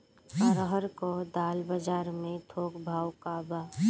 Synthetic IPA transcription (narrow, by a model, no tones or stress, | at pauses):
aɾəɦəɾkod̪aːlbəd͡ʒaːɾmẽt̪ʰoːkbʱaːwkaːba